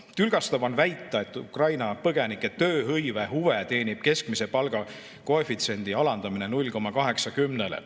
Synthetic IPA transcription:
t̪ylɡ̥ɑst̪ɑbɑnvæjt̪ˑːɑe̞t̪ːˑukrɑjnɑpɤɡ̥e̞nikːˑet̪ø̞ːɦɤjveɦuve̞t̪e̞ːnib̥̚ke̞skmise̞pɑlɡ̥ɑ | koefit̪se̞nʲd̪̥iɑlɑnd̪ɑmine̞nulʲko̞mːɑkɑɦe̞ksɑkymnelḛ

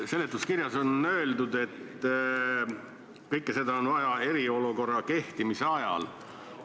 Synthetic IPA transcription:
se̞lːet̪ːˑuskiɾjɑso̞nø̞ːld̪ud̪e̞t̪ːˑ | kɤjkːˑese̞d̪ɑonvɑjɑe̞ɾio̞luko̞rːɑke̞ht̪imiseɑjɑ̰l

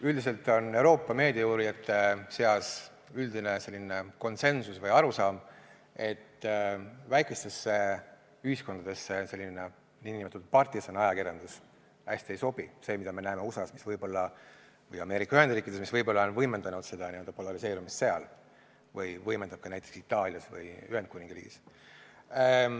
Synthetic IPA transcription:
yld̪ise̞lt̪ːˑo̞ne̞wɾo̞ːpːˑɑme̞ːd̪̥ʲieɑjuːɾiɑt̪ːˑese̞ɑs | yld̪inese̞lːineko̞nse̞nsusvɤjɑɾusɑːm | e̞t̪ː | væjkˑest̪e̞sːe | yhisko̞nd̪̥ɑd̪̥e̞sːese̞lːinːe | niːnimet̪ːut̪̚pɑrt̪iso̞nɑjɑkirjɑnd̪̥us | hæsʲt̪iejso̞b̥ise̞ːmid̪ɑme̞næeme̞osɑsmisvɤjbo̞lːɑ | vɤjɑme̞ːɾikːˑɑyhed̪riːkid̥̪esmisvɤjbo̞lːɑo̞nvɤjmend̪̥ɑnud̪̥se̞d̪̥ɑniø̞ld̪ɑpo̞lɑɾise̞ːɾumist̪se̞ɑ̰l | vɯjvɤjmend̪̥ɑb̚kɑnæjt̪ːˑeksit̪ːˑɑːlʲjɑsvɯ̰jyhend̪̥kunʲĩŋɡ̥riːɡ̥ḭs

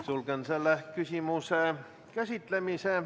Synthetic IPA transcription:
sulɡenselːækysʲimuse | kæsit̪lemise

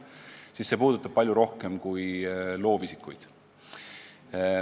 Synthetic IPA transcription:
siːsːe̞puːd̪̥ut̪ːˑɑb̥̚pɑljuɾo̞hke̞mkujlo̞ːvisikːˑṵjd̪̥

